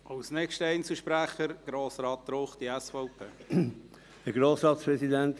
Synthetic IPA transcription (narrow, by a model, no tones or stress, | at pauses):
ɑwsnɛkʃtəɛɪnt͡səʃpɾæχəɾɡ̥ɾoːsɾɑːt̚ːɾoχd̥̪iɛsfɔʊpʰeː | əɡɾoːsɾɑːt̪spɾɛsid̪ɛnt̪